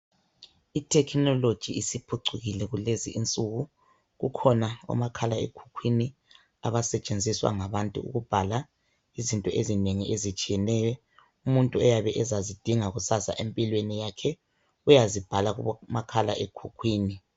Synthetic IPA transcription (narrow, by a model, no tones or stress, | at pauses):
itʰɛkʰnɔlod̥ʒ̥ʱiisipʰuǀuɣilɛɣuleziʔint͡sʼuɣu | ɣukʰɔnaɔ̰makʰalaḛkʰu̥kʰwini | a̰βasɛt͡ʃʼend͡zʱiswa̰ŋaβantʼṵṵɣub̥ʱala | izintʼɔʔezineŋiʔezit͡ʃʼijɛnɛjɔ | umuntʼuɛjaβɛʔɛzazid̥ʱiŋaɣusasa̰ʔempʼilwenijakʰɛ | ujazib̥ʱalaɣumakʰala̰ʔekʰukʰwiːni